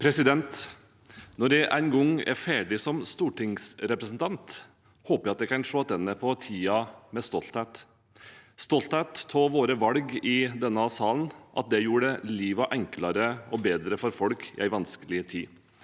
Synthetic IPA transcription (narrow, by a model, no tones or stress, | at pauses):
pʰɾɛsɪd̪ɛnt̪ | nɔɖɛʔæɪnɡɔŋɛ̰ɾfæːɖɪsɔmst̪uːʈɪŋsɾɛpɾəsn̩t̪ʰɑnt̪ | hoːpəjæɪɑt̪d̪ɛkɑnʂoːt̪ɛnːəpʰɔt̪ʰiːɑmɛst̪ɔlt̪hɛt̪ | st̪ɔlt̪hɛt̪ːʰoːʋoːɾəʋɑlɡɪd̪ɛnːəɑsɑːlənʔɑ̰t̪̚d̪ɛjuːɖəliːʋɑʔɛŋklɑɾəɔbeːd̪ɾəfɔɾfɔlkʰɪ̰ʔæɪʋɑnskəlɪət̪ʰiː